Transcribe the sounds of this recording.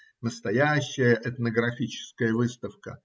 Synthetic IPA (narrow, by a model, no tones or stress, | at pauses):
nəst̪ɐjæɕːɪjəʔɛt̪nəɡɾɐfʲit͡ɕɪ̥skəjəvɨst̪əfkə̰